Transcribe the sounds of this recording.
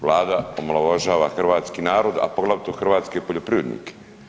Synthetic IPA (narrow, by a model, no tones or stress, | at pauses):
ʋlˠaːd̪aomlˠaʋaʒaːʋaxrʋaːt̪skiːnaːɾo̞d̪a̰poɡlˠaʋt̪oxr̩ʋaːt̪skepoʎopɾiʋɾed̪nḭːke̥